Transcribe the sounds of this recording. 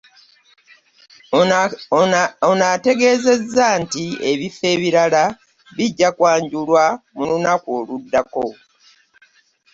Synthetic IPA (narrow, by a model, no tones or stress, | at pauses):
onate̞ɡe̞ːze̞zːantie̞βife̞ːβiɾala | βiɟːakwaːɲɟulwamulunakwoːludːako̞